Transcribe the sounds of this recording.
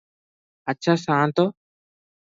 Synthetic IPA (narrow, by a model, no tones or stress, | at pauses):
ətːʃʰaːsãːnt̪oː